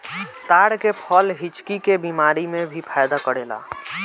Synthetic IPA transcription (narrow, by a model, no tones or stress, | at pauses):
t̪aɽkepʰəlɦit͡ʃkikebimaɾimebʱipʰajd̪akəɽela̰